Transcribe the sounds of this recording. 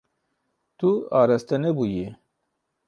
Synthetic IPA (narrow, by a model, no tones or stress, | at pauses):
t̪uɑːɾɐst̪ɐnebuji